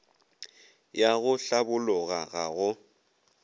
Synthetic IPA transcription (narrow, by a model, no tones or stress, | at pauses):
jaɣʊɬabʊlʊɣaɣaɣʊ